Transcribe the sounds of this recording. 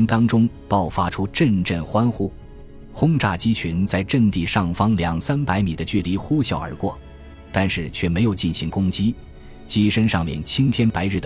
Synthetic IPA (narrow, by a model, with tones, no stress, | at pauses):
nt̪ɑ˥ŋʈ͡ʂʊ˥ŋpɑ˥˨˩ʊfa˥ʈ͡ʂʰu˥ʈ͡ʂə˥˧nʈ͡ʂə˥˩nxwa˥nxu˥˩ | xʊ˥ŋʈ͡ʂa˥˩t͡ɕi˥t͡ɕʰy˧˥nt͡sa˥˧ɪʈ͡ʂə˥˧nt̪i˥˧ʂɑ˥˩ŋfɑ˥ŋljɑ˨˩ŋsa˥npa˧˥ɪmi˨˩d̪ə˦t͡ɕy˥˩li˧˥xu˥ɕjɑ˥˩ʊə̰˞˧˥kwɔ̰˥˩ | t̪a˥˧nʂɻ̩˥˩t͡ɕʰɥɛ˥˩me˧˥ɪjo˨˩ʊt͡ɕi˥˩nɕi˧˥ŋkʊ˥ŋt͡ɕi˥ | t͡ɕi˥ʂə˥nʂɑ˥˧ŋmjɛ̰˥˩nt͡ɕʰi˥ŋt̪ʰjɛ˥npa˧˥ɪɻ̩˥˩d̪ə˧